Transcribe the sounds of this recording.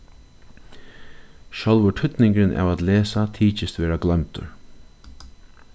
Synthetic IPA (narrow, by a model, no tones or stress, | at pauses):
ʃœlʋʏʈʰʏt̪nɪŋkɾɪnʔa̰ːvat̪leːsat̪ʰiːt͡ʃɪst̪ʋɛːɾaɡlœmt̪ʊ̰ɹ